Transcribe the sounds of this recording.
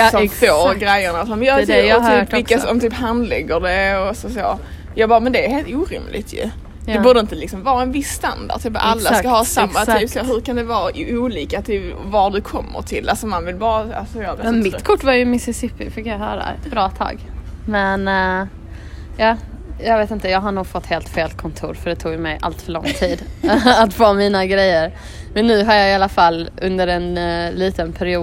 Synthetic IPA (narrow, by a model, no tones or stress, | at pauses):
sɔfoːɾɡɾɛjːəɳasɔmjɑd̪ɛt̪ʰyːpvɪkːasɔmt̪ʰyːphand̪lɛ̰ɡːəɖɛɔsɔso̰ː | jɑːɡbɑːɾmɛnd̪ɛːɾɦeːlt̪uːɾɪ̰mlɪ̰ɡ̚t̪ʰjɵ̰ | d̪ɛbuːɖəɪnt̪əlɪksɔmvɑːaɛnvɪsːt̪and̪a̰dt̪ʰɛːpʔalːaskahɑːsamːat̪ʰyːpsaɦɵɾkand̪ɛvɑːuːliːkat̪ʰɪvaɖɵkʰɔmːə̰ɾʈʰɪlːʔalsɔmanvɪlbɑːɾaasɔjmmɪkʰʊʈːvaɾjɵmɪsɪsɪpːɪ̰fɪkːjaɦœ̰ːɾa̰ɛ̰t̪bɾɑːt̪ʰɑ̰ːɡmɛn | jɑː | jɑːɡveːt̪ɪnt̪əjɑːɡɦaɳuːɡfɔt̪ːheːlt̪feːlt̪̚kʰɔnt̪ʰṵːɾfœɖɛt̪ʰuːɡjmɛjʔa̰lt̪fœɭɔŋːt̪ʰiːd̪at̪foːmiːnaɡɾɛjːəɾ | mɛnːʉ̟ːɦaɾjɑɪalːafalːʔɵnd̪əɾɛnliːt̪ənpʰæɾɪuː